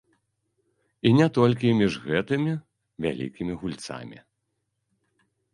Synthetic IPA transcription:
inʲɛt̪ɔlʲkʲimʲiʐɣɛt̪ɨmʲi | vʲa̰lʲḭkʲimʲiɣulʲt̪sa̰mʲḭ

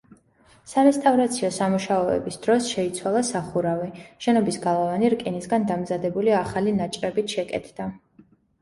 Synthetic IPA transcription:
saɾɛst̪ʼavɾat̪sʰiɔsamuʃaɔɛ̰bisd̪̥ɾɔsʃɛit̪sʰwalˠasaχuɾaviʃɛnɔbisɡalˠavaniɾkʼinisɡand̪amzad̪ɛbuliaχalinat͡ʃʼɾɛbit̪ʰʃɛkʼɛ̰t̪ʰd̪̥a

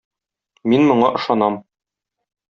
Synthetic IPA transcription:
minmŏɴɑʔɤ̆ʃɑnɑm

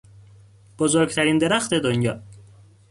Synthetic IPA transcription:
b̥ozoɾɡt̪ʰæɾiːnd̪e̞ɾæxt̪ʰe̞d̪onjɒ̰ː

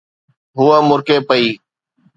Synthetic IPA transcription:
ɦʊːaːmʊɾkeːpəiː

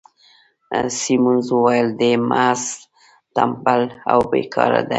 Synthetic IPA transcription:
simunzwəwajəld̪emʔas | t̪ampalawbekʰɑɾa̰d̪a

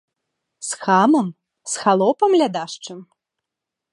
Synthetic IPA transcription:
sxamɐm | sxalˠɔpɐmlʲad̪aʂt͡ʂɨm

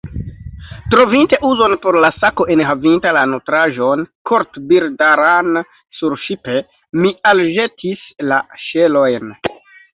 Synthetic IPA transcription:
tɾo̞vinte̞ʔuzo̞npo̞ɾlasako̞ʔenɦavintalanotɾaʒo̞nkʰo̞ɾtbiɾdaɾan | suɾʃipe̞ | mialʒe̞tʰislaʃe̞lo̞jn

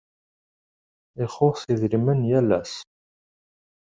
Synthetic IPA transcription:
ɪχʊɾθiðɾimənjælæ̰s

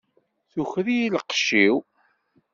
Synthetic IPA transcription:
θuçðijiləqʃːiw

